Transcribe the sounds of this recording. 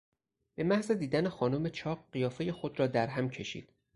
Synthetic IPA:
b̥e̞mæhze̞d̪iːd̪ænexɒːnome̞t͡ʃʰɒːɢɢijɒːfe̞je̞xod̪ɾɒːd̪æɾɦæmcʰe̞ʃḭːd̪̥

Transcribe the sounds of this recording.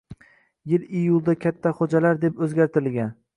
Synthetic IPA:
jɪlɪjʊlˠd̪akʲʰat̪ʰːaχod͡ʒalaɾd̪e̞pɵzɡʲaɾt̪ʰɪɾɪlɡʲan

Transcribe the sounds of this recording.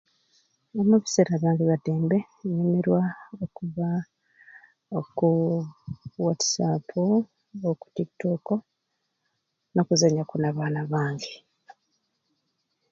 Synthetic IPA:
omuβi̥seɾaβjaːŋeβateːmbe̞ | ɲemeɾwaokuβa | oku | watsapʰu | oku̥tiki̥toko̞ | no̞kuzaɲakunaβaːnaβaːŋɡe

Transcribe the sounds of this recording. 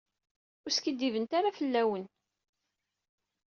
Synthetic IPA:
ʊɾskid̪ːivənt̪aɾafəlːæwən

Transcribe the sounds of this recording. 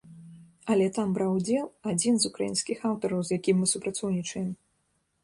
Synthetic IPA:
ɐlʲɛt̪ambɾawd͡zʲɛlˠad͡zʲinzukɾajḭnskʲixawt̪ɔɾɐwzjakʲimːɨsupɾat̪sɔwnʲit͡ʂɐjɛm

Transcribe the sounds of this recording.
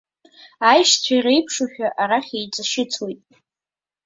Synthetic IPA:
ajʂt͡sʷʰajrejpʰʂaħᶣaʔaɾaχʲejt͡sʼɨʃɪt͡sʰwejtʼ

